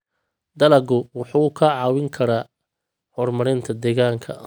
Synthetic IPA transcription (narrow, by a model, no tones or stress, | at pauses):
d̪ɐlɐɡʊwʊħukʰɐʕɑːwɪŋkʰɐɾaː | hɔrmɐɾɪnt̪ʰɐd̪ɛːɣaːŋkʰɐ̰